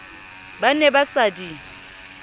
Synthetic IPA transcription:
banɛbasadi

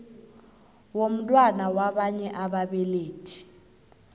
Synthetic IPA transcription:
wom̩tʼwanawaɓaɲɛʔaɓaɓɛleːd̥ʰʱʼi̥

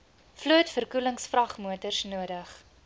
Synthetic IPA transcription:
fluətfərkuləŋsfrɐχmuətərsnuədəχ

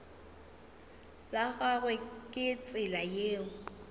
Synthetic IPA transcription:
laɣaɣwɛkʼɪt͡sʼɪlajeːŋ̩

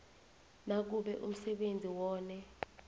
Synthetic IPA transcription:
nak̬uɓɛʔṵm̩sɛɓend͡zʱiwɔːnɛ

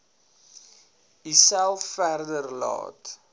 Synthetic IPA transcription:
isælˠffærdərlɑ̰ːt

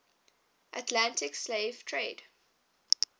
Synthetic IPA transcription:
ʔatʰlãntʰɪksleːv̥tʰɹeːd̥

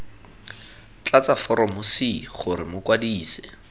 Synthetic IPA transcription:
t͡ɬat͡safɔɾɔmʊsiχʊɾɪmʊkwadiːsɛ̥

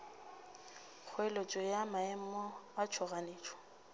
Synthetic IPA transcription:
k͡xʰʊɛlot͡ʃʼɔjamaɛm̩ɔat͡ʃʰɔɣaneːt͡ʃʼɔ̥

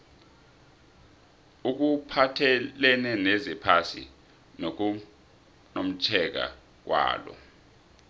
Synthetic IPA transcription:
uk̬upʰatʰɛlɛnɛnɛzɛpʰasḭ | n | nom̩t͡ʃʰɛk̬a̰ | k̬wa̰ːlɔ̰

